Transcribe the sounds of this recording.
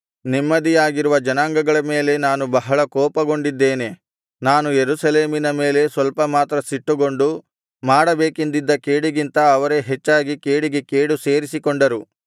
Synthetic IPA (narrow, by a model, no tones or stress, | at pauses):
nimːɐd̪ijaːɡiɾuʋɐd͡ʒɐnaːŋɡɐɡɐɭɐme̞ːle̞naːnubɐɦɐɭɐkɔːpɐɡo̞ɳɖid̪ːe̞ːne̞ | naːnujeɾusɐle̞ːminɐme̞ːle̞sʋɐlpɐmaːt̪ɾɐsiʈːuɡo̞ɳɖu | maːɽɐbeːkind̪id̪ːɐkeːɽiɡint̪ɐːʋɐɾe̞ɦet͡ʃːaːɡikeːɽiɡe̞keːɽuseːɾisikoɳɖɐɾu